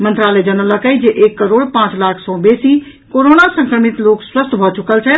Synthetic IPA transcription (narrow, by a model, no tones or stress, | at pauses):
mənt̪ɾaləd͡ʒənələkəjd͡ʒeʔekːəɾoːɽpãːt͡ʃlakʰsɔ̃besi | koɾonasə̃ŋkɾəmit̪lokswəst̪ʰbʱɔt͡ʃukəlt͡ʃʰɛ